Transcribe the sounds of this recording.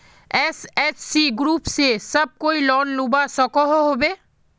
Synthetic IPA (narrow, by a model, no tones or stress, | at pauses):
ɛːsɛːt͡ʃsiɡɾuːpsesɐb̚koːilɔːnlubasɔkoɦoɦoːbeː